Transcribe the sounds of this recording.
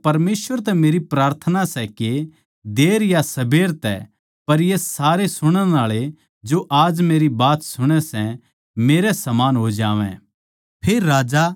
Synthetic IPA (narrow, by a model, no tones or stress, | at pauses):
pɐɾmeːsʋəɾt̪̬ɛmeːɾipɾaːɾt̪ʰənasɛke | d̪eːɾjasɐbʱeːɾt̪ɛ̰ | pɐɾjesaːɾesʊɽ̃ə̃aːɭe | d͡ʒoʔaːd͡ʒmeːɾibaːt̪sʊɽ̃ɛsɛ | meːɾɛsɐmaːnɦod͡ʒaːʋɛ̰̃ | pʰeːɾːaːd͡ʒa